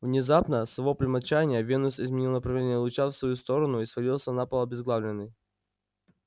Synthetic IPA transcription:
vnʲɪzapnəsvɐvoplʲɪmɐt͡ɕanʲɪjəvʲenʊsɪzmʲɪnʲilˠnəpɾɐvlʲenʲɪjəlˠʊt͡ɕafsvɐjust̪o̞ɾənʊisvɐlʲilˠsʲənapəlˠɐbʲɪzɡlˠavlʲɪnːɨj

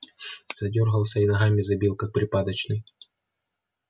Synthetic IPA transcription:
z̥ɐdʲorɣəlˠsʲɐinɐɣamʲɪzɐbʲilˠkak̚pɾʲɪpad̪ɐt͡ɕnɨj

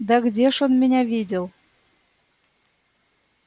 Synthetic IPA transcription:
d̪aɡdʲeʃonmʲɘnʲævʲidʲelˠ

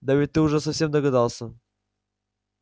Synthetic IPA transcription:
d̪avʲɪt̪ːɨʊʐɛsɐfsʲemd̪əɡɐd̪ɑlˠsə

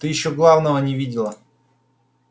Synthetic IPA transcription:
t̪ɨjɪɕːoɡlˠavnəvənʲɪvʲidʲɪlˠə

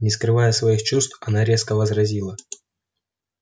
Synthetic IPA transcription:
nʲɪskɾɨvajəsvɐixt͡ɕust̪fɐnaɾʲe̞skəvəzrɐzʲilˠə

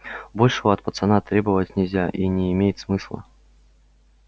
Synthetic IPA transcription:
bo̞lʲʂəvəɐt̪̚pət̪sɐnat̪ɾʲebəvətʲnʲɪlʲzʲaʔinʲɪɪmʲejɪt̪smɨslˠə̰

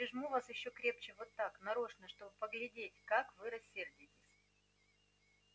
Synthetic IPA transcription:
pɾʲɪʐmuvasjɪɕːokɾʲe̞pt͡ɕɪvot̪ːaknɐɾoʂnəʂt̪o̞bɨpəɡlʲɪdʲetʲkakvɨɾɐsʲːerdʲɪtʲɪsʲ

